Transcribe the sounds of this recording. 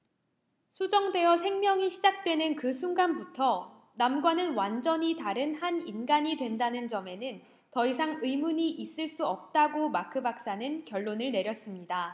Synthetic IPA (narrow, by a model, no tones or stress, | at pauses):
sʰud͡ʑʌŋde̞ʌsʰe̞ŋmjʌŋiɕʰid͡ʑak̚t͈we̞nɯnkɯsʰuŋɡanbutʰʌ | namɡwanɯnwand͡ʑʌɲitaɾɯnhaninɡaɲidwe̞ndanɯnd͡ʑʌme̞nɯn | tʌisʰaŋɯmuɲiʔis͈ɯɭs͈uʌp̚t͈aɡomakʰɯbak̚s͈anɯnkjʌɭːonɯɭne̞ɾjʌs͈ɯmɲida